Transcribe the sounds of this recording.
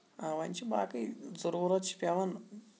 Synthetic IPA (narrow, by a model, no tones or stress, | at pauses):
aʋɐnʲt͡ʃʰiba̰ːkɨjzɐɾuːɾɐt̪t͡ʃʰi̥pʲɐʋɐn